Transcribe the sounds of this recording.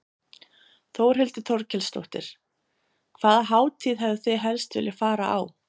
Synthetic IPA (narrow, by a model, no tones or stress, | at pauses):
θowɾ̥ɦʏlt̪ʏt̪ʰɔɾcʰɛlst̪o̰wht̪ɪ̰ɾ̥ | kʰv̥aːðaɦaːwt̪ʰiːðɦɛvðɪθeɦɛlst̪vʏ̰lɪfaːɾaʔa̰w